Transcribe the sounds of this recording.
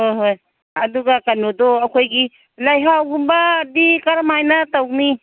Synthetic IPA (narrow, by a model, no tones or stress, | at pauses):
hojɦoj | ɐduɡakanodoɐkʰojɡi | lajɦawɡumbadikaɾmajnatawɡni